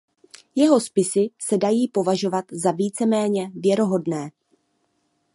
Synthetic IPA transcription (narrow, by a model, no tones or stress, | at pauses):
jɛɦo̞spɪsɪsɛdajiːpo̞vaʒo̞vat̪zaviːt͡sɛmɛːɲɛvjɛɾo̞ɦo̞dnɛː